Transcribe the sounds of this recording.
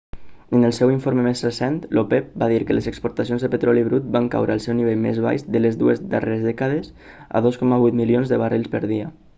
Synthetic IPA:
ənəlˠsɛwiɱfoɾməmezrəsɛnt̪lopɛp̚baðiɾkələzəkspuɾt̪as̬ionzðəpət̪ɾɔliβɾut̪̚baŋka̰wɾəːlˠsɛwniβ̞eʎmḛzβa̰jʃd̪ələzðuəzd̪əreezðɛkaðəz | a̰ðoskɔmaβujt̪milionzðəβariʎˠspəɾð̞iə

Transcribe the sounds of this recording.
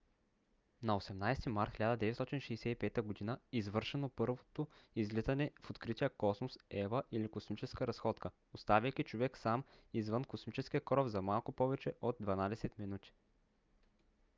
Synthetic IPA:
nɐosɛmnajst̪imaɾt̪xʲilʲad̪əd̪ɛvɛt̪st̪ɔt̪ʲinʃɛjsɛipɛt̪əɡod̪inəizvɤɾʃɛnopɤɾvot̪oizlizɐnɛfot̪kɾit̪ʲijəkɔsmosɛvəʔilikosmit͡ʃɛskəɾɐsxɔt̪kə | ost̪avʲəjk̟it͡ʃovɛksamizvɤnkosmit͡ʃɛsk̟ʲiəkɾɔvzɐmalˠkopɔvɛt͡ʃɛʔod̪̚d̪vɐnad̪ɛsɛt̪minut̪ʲi̥

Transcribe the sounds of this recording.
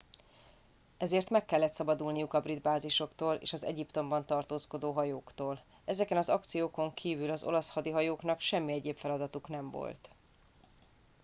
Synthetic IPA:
ɛzeːrt̪mɛkːɛlːɛt̪sɒbɒd̪ulnijukɒbrid̪baːziʃo̞kt̪oːlʔḛːʃɒzɛ̰ɟipt̪o̞mbɒnt̪ɒrt̪oːsko̞d̪oːɦɒjoːkt̪oːl | ɛzɛkɛnɒzɒk̚t̪sijoːko̞ŋkʰiːvylɒzo̞̰lɒshɒd̪iɦɒjoːkn̪ɒkʃɛmːiɛɟeːpfɛlɒd̪ɒt̪uknɛɱvo̰lt̪

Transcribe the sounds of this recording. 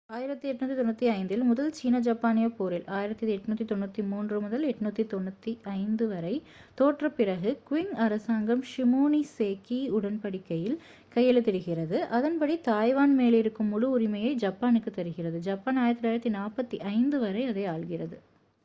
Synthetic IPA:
aːjɪɾɐt̪ːɯɛʈːɯnuːt̪ːit̪ɔnːut̪ːiɐɪnd̪ɪlmʊðɐlt͡ʃiːnɐd͡ʒɐpːaːnɪjɐpoːɾɪlaːjɪɾɐt̪ːiɛʈːɯnuːt̪ːit̪ɔnːut̪ːimuːndrɯmʊðɐlɛʈːɯnuːt̪ːit̪ɔnːɐt̪ːiʔɐɪnd̪ɯʋɐɾɐɪ | t̪oːʈrɐpːɪɾɐɣɯkʊwɪŋɐɾɐsaːŋɡɐmʂɪmuːniseːkiʊɽɐnpɐɽɪkːɐjɪl | kɐjɐlɯt̪ːɛɾɯɣɪrɐðɯʔɐðɐnpɐɽit̪aːjʋaːnmeːlɪɾɯkːɯmːʊɻuʊɾɪmɐjɐɪd͡ʒɐpːaːnɯkːɯt̪ːɐɾɯɣɪrɐðɯd͡ʒɐːpːaːnaːjɪɾɐt̪ːlaːɪɾɐt̪ːinaːpɐt̪ːiʔɐɪnd̪ɯʋɐɾɐɪɐðɐɪaːɭɣɪrɐðɯ

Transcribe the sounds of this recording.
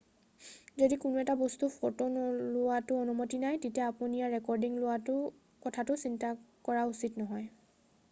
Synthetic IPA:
zodikʊnuɛtabɔstupʰɔɹtɔnɔlʊwatʊɔnumotinajtetijaapunijaɹɛkɔɹdiŋlʊwatʊ | kɔtʰatʊsintakɔɹausitnɔɦɔj

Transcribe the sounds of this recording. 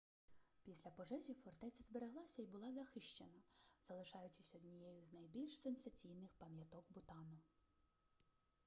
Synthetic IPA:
pʲisʲlʲɐpɔʒɛzʲifɔrt̪ɛt͡sʲɐzbeɾeɦlˠɑsʲɐibʊlˠɑzɐxɪʃt͡ʃenɐzɐlˠɪʃɑjʊt͡ʃʲːɪsʲɔd̪nʲijɛjʊznɐjbʲilʲʃsensɐt͡sʲijnɪxpɐmjɐt̪ɔkbʊt̪ɑnʊ

